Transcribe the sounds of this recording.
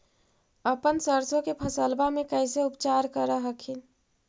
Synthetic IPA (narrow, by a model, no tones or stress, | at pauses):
əpənsəɾsokepʰəsəlbamekəɪseupt͡ʃaɾkəɾəɦəkʰin